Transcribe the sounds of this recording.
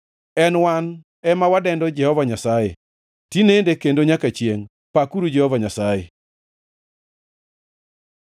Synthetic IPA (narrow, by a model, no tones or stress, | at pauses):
ɛnwan | ɛmawadɛndɔd͡ʒɛhɔvaɲasajḛ | tinendekendoɲakat͡ʃjeŋ | pakuɾud͡ʒɛhɔvaɲasajḛ